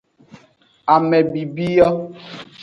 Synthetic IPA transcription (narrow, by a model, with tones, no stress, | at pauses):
a˨mɛ˨bi˨bi˦jɔ˦